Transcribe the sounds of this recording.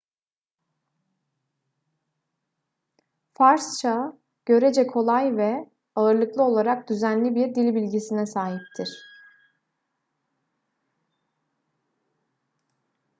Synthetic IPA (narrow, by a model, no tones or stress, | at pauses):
faɾst͡ʃʰa | ɟ̥ø̞ɾed͡ʒɛkʰo̞lˠajvɛ | aɯɾlˠɯklˠɯo̞lˠaɾak̚d̪yzænlʲibiɾd̪ilʲbilʲɟisinɛsaːɦip̚t̪ʰiɾ̥